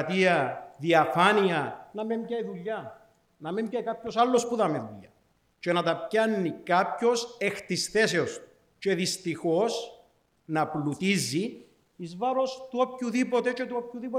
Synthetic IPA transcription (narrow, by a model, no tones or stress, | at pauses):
t̪iɐðiɐfɐniɐnɐmemcɐiðuʎːɐ | nɐmemcɐjkapçosalːo̞spuðɐmiðuʎːɐ | t͡ʃe̞nɐt̪ɐpcɐnːikapço̞sext̪isθe̞se̞os | t͡ʃe̞ðist̪ixo̞s | nɐplut̪izːiː | zvɐɾo̞st̪uopçuðipot̪e̞t͡ʃet̪uopçuðipo